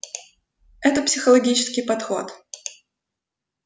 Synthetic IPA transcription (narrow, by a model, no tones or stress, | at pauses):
ɛt̪əpsʲɪxəlˠɐɡʲit͡ɕɪ̥skʲɪjpɐt̪xo̰t̪